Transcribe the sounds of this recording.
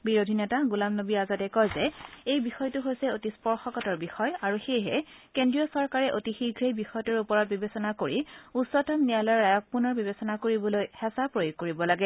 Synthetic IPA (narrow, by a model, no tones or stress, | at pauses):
biɹodʱinɛtaɡulamnobiazatɛkɔjzɛejbixɔjtʊɦojsɛotispɔɹxɔkɔtɔɹbixɔjaɹuxejɦɛkendɹijɔsɔɹkaɹɛʔotixiɡʱɹejbixɔjtɔɹupɔɹɔt̚bibesɔnakoɹiusːɔtɔmnijalɔɹːajɔk̚punɔɹbibesɔnakoɹibɔlojhɛsapɹojuɡkoɹibɔlaɡɛ